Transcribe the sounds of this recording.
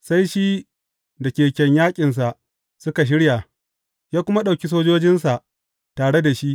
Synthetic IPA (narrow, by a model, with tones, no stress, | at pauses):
sa˦jʃi˦ | da˨kʲeː˨kʲɛ˨ɲjaː˦kʲʼɪ˨ns̬a˨ʔ | sʊ˦ka˨ʃ̬ɪ˦ɽja˨ | jaː˦kʷʊ˦ma˦ɗa˨wkʲi˦s̬oː˦d͡ʒoː˦d͡ʒɪ˦nsa˨ʔ | taː˨ɽe˦da˨ʃi˦ʔ